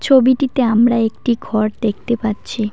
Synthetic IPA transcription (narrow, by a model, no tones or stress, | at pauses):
t͡ɕʰobiʈit̪eamɾaek̚ʈiɡʱɔɾd̪ek̚ʰt̪epaɾːɕʰi